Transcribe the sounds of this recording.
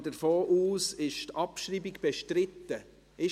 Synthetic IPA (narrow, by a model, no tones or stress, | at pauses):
dəɾfoːʔuːsɪʃtɑpʃriːbiɡb̥eʃtɾɪtːə | ɪ